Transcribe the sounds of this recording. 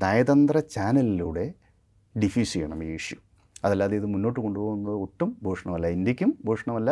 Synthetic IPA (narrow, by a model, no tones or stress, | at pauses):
naːjɐðɐnd̪rɐt͡ɕaːnɐliluːɽe̞ | ɖifiːsijeɳɐmiiːʂju | ɐðɐlːaːðeiðɨmunːo̞ːʈːɨko̞ɳɖupo̞ːɣunːɐðɨoʈːumbʱoːʂɐɳɐmɐlːɐindikʲːumbʱoːʂɐɳɐmɐlːa